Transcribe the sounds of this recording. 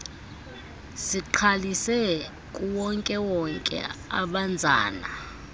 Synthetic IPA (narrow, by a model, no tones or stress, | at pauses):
siǃʰalisɛ | kʼuwɔŋkʼɛwɔŋkʼɛ̰a̰ɓand͡zʱa̰ːna̰